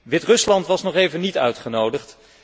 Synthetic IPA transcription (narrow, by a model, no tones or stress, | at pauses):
ʋɪtrɵslɑntʋɑsnɔχejvənitœ̰ɥtχənowdəχt